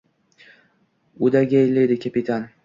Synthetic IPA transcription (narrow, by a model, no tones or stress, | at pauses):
ʊd̪aɡʲajled̪ɪkʲʰapɪt̪ʰan